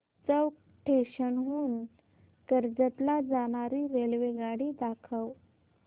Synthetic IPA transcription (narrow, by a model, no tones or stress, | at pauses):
t͡səwk | ʈʰeɕənɦuːn | kəɾd͡zət̪lad͡zaɽ̃aɾiɾelʋeɡaɽid̪akʰəw